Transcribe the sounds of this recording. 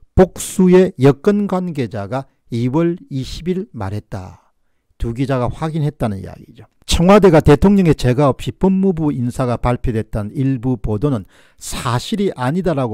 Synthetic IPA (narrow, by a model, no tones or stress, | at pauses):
pok̚s͈uje̞jʌk͈ɯnɡwanɡe̞d͡ʑaɡa | iwʌɭiɕʰibiɭma̰ɾɦe̞t̚t͈a̰ | tuɡid͡ʑaɡaɸwaɡinɦe̞t̚t͈anɯnḭja̰ɡḭd͡ʑo | t͡ɕʰʌŋwade̞ɡate̞tʰoŋɲʌŋe̞t͡ɕe̞ɡaʌp̚ɕ͈ipɯmːubuinsʰaɡapaɭpʰjodwe̞t̚t͈aniɭbupodonɯn | sʰaɕʰiɾiʔaɲidaɾaɡo